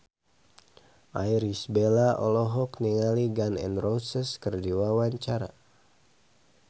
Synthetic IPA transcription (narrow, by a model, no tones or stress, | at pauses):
ʔajɾisbelaʔɔlɔɦɔkniŋaliɡanɛ̰nrosəskərdiwawaɲt͡ʃaɾa̰